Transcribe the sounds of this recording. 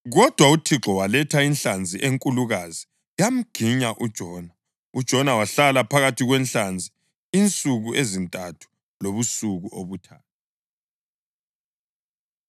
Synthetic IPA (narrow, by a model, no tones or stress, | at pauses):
ɣɔd̥ʱwautʰiǁɔwalɛtʰainɬand͡zʱiʔeŋkʼuluɣazi | jam̩ɡ̥ʱiɲaʔud̥ʒ̥ʱɔːna | ud̥ʒ̥ʱɔnawaɬalapʰaɣatʰiɣwɛnɬand͡zʱi | int͡sʼuɣuʔezintʼatʰu̥ | loβusuɣuʔoβutʰa̰ːt̚ʰa